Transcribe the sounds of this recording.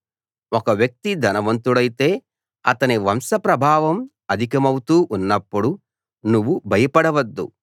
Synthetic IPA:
ɔkɐʋjɐk̚t̪id̪ʱɐnɐʋɐnt̪uɽɐjit̪e̞ː | ɐt̪ɐniʋɐmsɐpɾɐbʱaːʋɐm | ɐd̪ʱikɐmɐwut̪uːʔunːɐpːuɽu | nuʋːubʱɐjɐpɐɽɐʋɐd̪ːṵ

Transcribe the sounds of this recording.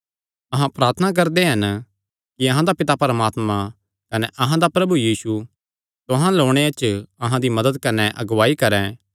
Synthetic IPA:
ɐɦãpɾaːɾt̪ʰənak̬ɐɾd̪eɦɐn | kiɐɦãd̪apɪt̪apɐɾəmaːt̪mã | kɐneʔɐɦãd̪apɾɐbujiːsu | t̪ʊɦãloːɽ̃eɐt͡ʃɐɦãd̪imɐd̪əd̪kɐneʔɐɡʋaːikɐɾɛ̃ː

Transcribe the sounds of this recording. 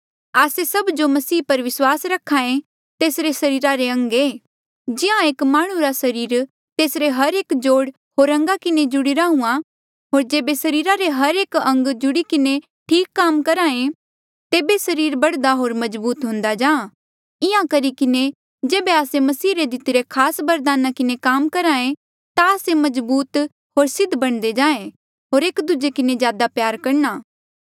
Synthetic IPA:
aːsesɐbd͡ʒomɐsiːpɐɾʋɪswaːsɾɐkʰːaːẽ | t̪eːsɾesɐɾiːɾaɾeɐ̃ŋɡeː | d͡ʒɪãeːkmaːɽ̃ũɾasɐɾiːɾ | t̪eːsɾeɦɐɾeːkd͡ʒoːɽ | ɦoːɾɐ̃ŋɡakɪned͡ʒʊɽɪɾaɦũːã | ɦoːɾd͡ʒeːbesɐɾiːɾaɾeɦɐɾeːkɐ̃ŋɡd͡ʒʊɽikɪne | ʈʰiːkːaːmkɐɾãːẽ | t̪eːbesɐɾiːɾbɐɽd̪aɦoːɾmɐd͡ʒbuːt̪ɦʊ̃nd̪ad͡ʒãːã | ɪãkɐɾikɪne | d͡ʒeːbeaːsemɐsiːɾed̪ɪt̪ɪɾekʰaːsbɐɾd̪aːnakɪnekaːmkɐɾãːẽ | t̪aːsemɐzbuːt̪ | ɦoːɾsɪd̪ʱbɐɽ̃d̪ed͡ʒãːẽ | ɦoːɾeːkd̪ʊd͡ʒekɪnezjaːd̪apjaːɾkɐɽnaː

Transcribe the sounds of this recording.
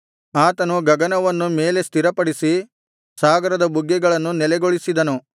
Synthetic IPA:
aːt̪ɐnuɡɐɡɐnɐʋɐnːume̞ːle̞st̪iɾɐpɐɽisi | saːɡɐɾɐd̪ɐbuɡːɛɡɐɭɐnːunɛlɛɡoɭisid̪ɐnu

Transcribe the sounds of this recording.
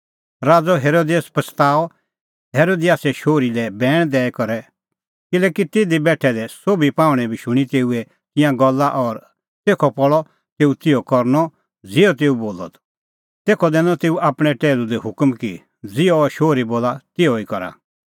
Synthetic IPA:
ɾaːd͡zɔɦeːɾoːd̪eːspɐsʰt̪aːɔ | ɦeːɾoːd̪ɪjaːsɛʃoːɾilɛbɛːɽ̃d̪ɛːɛkɔɾɛ | kɪlɛːkit̪ɪd̪ibɛːʈʰɛd̪ɛsoːbipãːʊɽ̃ɛ̃bʱiʃʊɽ̃it̪eːuɛ | t̪ɪ̃jãɡɔlːaʔɔɾ | t̪eːkʰɔpɔɭɔ | t̪eːut̪ɪjɔkɔɾnɔ | d͡zɪɔt̪eːuboːlɔ̰t̪ | t̪eːkʰɔd̪ɛːnɔ̃t̪eːuʔaːpɽ̃ɛʈɛːlud̪ɛɦʊkmki | d͡zɪjɔʃoːɾiboːlat̪ɪɔikɔɾa̰

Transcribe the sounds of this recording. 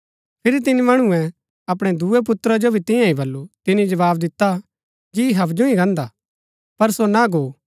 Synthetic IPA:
pʰɪɾit̪̬ɪnimɐɽ̃ũɛ̃ | ɐpɽ̃ɛd̪uɛp̬ʊt̪ːɾad͡ʒobʱit̪ɪ̃jãĩbɐlːut̪ɪnĩd͡ʒɐʋaːbd̪ɪt̪ːa | d͡ʒiiɦɐbd͡ʒũĩɡɐ̃nd̪a | pɐɾsonaɡoː

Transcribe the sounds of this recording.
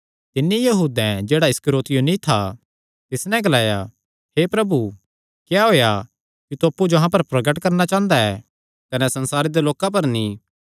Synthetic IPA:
t̪ɪnːijɐɦuːd̪ɛ̃d͡ʒeːɽaɪskɾoːt̪ɪjonĩt̪ʰa̰ | t̪ɪsnɛ̃ɡɐlaːja | hepɾɐbu | kjaɦoːja | kut̪oɐpːud͡ʒoɦãp̬ɐɾpɾɐɡəʈkɐɾnat͡ʃãːnd̪aɛː | kɐnɛsɐ̃nsaːɾed̪eloːkãp̬ɐɾni

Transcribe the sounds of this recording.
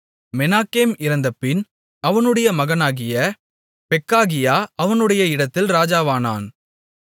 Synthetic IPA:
mɛnaːkeːmɪɾɐnd̪ɐpːɪn | ɐʋɐnɯɽɐjɐmɐɣɐnaːɣɪjɐ | pɛkːaːɣɪjaːɐʋɐnɯɽɐjɐɪɽɐt̪ːɪlɾaːd͡ʒaːʋaːna̰ːn

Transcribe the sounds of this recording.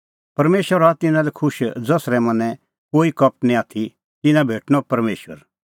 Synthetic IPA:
pɐɾmeːʃʋəɾat̪ɪ̃nãlɛkʰʊʃd͡zɐsɾɛmɐnɛ̃ | koːikɐp̚ʈnĩaːt̪ʰi | t̪ɪnãbʱeːʈʰñɔpɐɾmeːʃʋə̰ɾ

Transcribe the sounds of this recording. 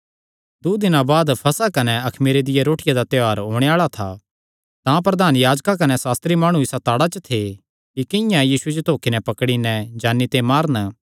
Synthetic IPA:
d̪ud̪ɪnãbaːd̪pʰɐsakɐnɛɐkʰmiːɾed̪ɪjeɾoːʈɪjad̪at̪joaːɾɦoːɽ̃eaːɭat̪ʰa̰ | t̪ãpɾɐd̪aːnjaːd͡ʒkak̬ɐnɛsaːst̪ɾimaːɽ̃ũɪsat̪aːɽat͡ʃət̪ʰe | kikɪ̃jãjiːsued͡ʒot̪oːkinɛpɐkɽinɛ̃d͡ʒaːnːit̪emaːɾnə

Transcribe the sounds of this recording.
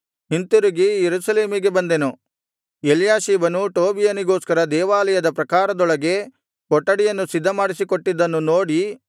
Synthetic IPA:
ɦint̪uɾiɡijeɾusɐle̞ːmiɡe̞bɐnd̪enu | jeljaːʃiːbɐnuʈoːbijɐniɡo̞ːskɐɾɐd̪ɛːʋaːlɐjɐd̪ɐpɾɐkaːɾɐd̪ɔɭɐɡe̞ | kɔʈːɐɽijɐnːusid̪ʱːɐmaːɽisikoʈːid̪ːɐnːunoːɽi

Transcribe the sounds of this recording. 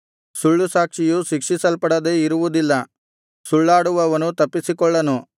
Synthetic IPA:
suɭːusaːkʂijuʃikʂisɐlpɐɽɐd̪e̞iɾuʋud̪ilːɐ | suɭːaːɽuʋɐʋɐnut̪ɐpːisikɔɭːɐnu

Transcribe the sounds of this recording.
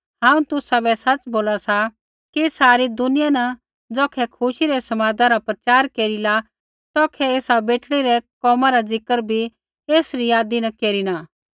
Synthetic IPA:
ɦãːũt̪ʊsabɛsɐt͡ʃboːlasa | kisaːɾid̪ʊnɪjanɐ | d͡zɔːkʰɛkʰʊʃiɾɛsɐmaːd̪aɾapɾɐt͡ʃaːɾkeːɾila | t̪ɔːkʰɛeːsabeːʈɽiɾɛkɔːmãɾad͡zɪkəɾbʱi | eːsɾijaːd̪inɐkeːɾinaː

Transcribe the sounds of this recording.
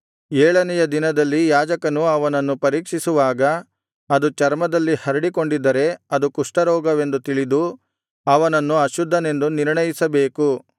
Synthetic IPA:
ɛːɭɐnɛjɐd̪inɐd̪ɐlːijaːd͡ʒɐkɐnuɐʋɐnɐnːupɐɾiːkʂisuʋaːɡɐː | d̪ut͡ʃɐɾmɐd̪ɐlːihɐɾiɽiko̞ɳɖid̪ɐɾe̞ɐd̪ukuʂʈɐɾɔːɡɐʋe̞nd̪ut̪iɭid̪u | ɐʋɐnɐnːuɐʃud̪ʱːɐne̞nd̪uniɾɳɐjisɐbeːku

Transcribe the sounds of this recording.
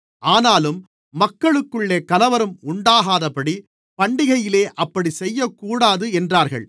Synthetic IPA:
ʔaːnaːlɯmː | ɐkːɐɭɯkːɯɭːeːkɐlɐʋɐɾɯmʊɳɖaːɣaːðɐpɐɽi | pɐɳɖɪɣɐjɪleːʔɐpːɐɽisɛjːɐkːuːɽaːðɯɛndraːɾɣɐ̰ɭ

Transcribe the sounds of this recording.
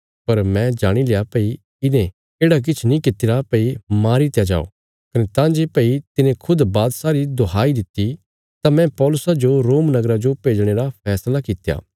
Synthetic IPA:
pɐɾmɛ̃d͡ʒaːɽ̃ilejapɐi | ɪnẽ | eːɽak̬ɪt͡ʃʰnĩkɪt̪ɪɾapɐimaːɾit̪jad͡ʒa̰ːo̰ | kɐnet̪ãːd͡ʒepɐit̪ɪnẽkʰʊd̪baːd̪saːɾid̪oaːid̪ɪt̪ːi | t̪amɛ̃pɔːlʊsad͡ʒoɾoːmnɐɡɾad͡ʒopeːd͡ʒɽ̃eɾapʰɛːslakɪt̪ja̰ː

